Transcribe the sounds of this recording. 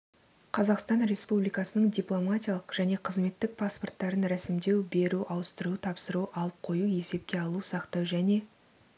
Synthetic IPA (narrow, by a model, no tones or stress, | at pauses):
qʰɑzɑqst̪ɑnɾe̞spublijkɑsənəɴd̪ʲijplˠo̞matʲijɑlˠəqʒ̥æne̞qʰəzme̞t̪ːɪk̚pʰaspo̞rt̪ːɑɾənɾæsɪmd̪e̞wbe̞ɾuʔɑwəst̪əɾut̪ʰɑpsəɾuʔɑlˠəp̚qʰo̞jue̞se̞p̚kʲe̞ɑlˠusɑqt̪ɑwʒæne̞